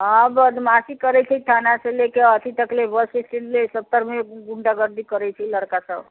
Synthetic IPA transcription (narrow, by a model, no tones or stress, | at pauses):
abəd̪masikəɾɛt͡ʃʰɛt̪ʰanaselekeət̪ʰit̪əklebəsisʈinlesət̪ːəɾmeɡuɳɖaɡəɾd̪ikəɾɛt͡ʃʰɛləɾkasəb